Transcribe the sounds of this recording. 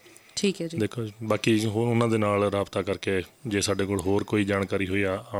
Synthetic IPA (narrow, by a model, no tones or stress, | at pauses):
ʈʰiːkd̪eːkʰoːbaːkiːɦʊnãːd̪eːnaːlɾaːbt̪aːkəɾkeːd͡ʒeːsaːɖeːkoːɭɦoːɾkoːiːd͡ʒaːnkaːɾiːɦoːiaː